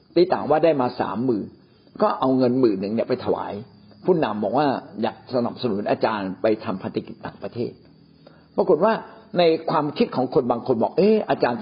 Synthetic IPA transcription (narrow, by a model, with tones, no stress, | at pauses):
t̪iː˧˥t̪a̰ː˨˩ŋwaː˥˩daː˥˩jmaː˧sa̰ː˩˦mːɯː˨˩ | kɔː˥˩ʔa˧wŋɤ˧nmɯː˨˩nɯ˨˩ŋni˧˩pa˧jt̪ʰa˧wa̰ː˩˦j | pʰuː˥˩na˧mbɔː˨˩k̚waː˥˩ja̰ː˨˩k̚sa˧na˨˩p̚sa˧nu˩˦nʔaː˧t͡ɕaː˧npa˧jt̪ʰa˧mpʰa˧nt̪a˦˩ki˨˩t̪̚ːaː˨˩ŋpɾa˧t̪ʰeː˥˩t̪̚ | pɾa˧ko˨˩t̪̚waː˥˩na˧jkʰwaː˧mkʰi˦˥t̪̚kʰɔː˩˦ŋkʰo˧nbaː˧ŋkʰo˧nbɔː˨˩k̚ʔeː˦˥˩ʔaː˧t͡ɕaː˧n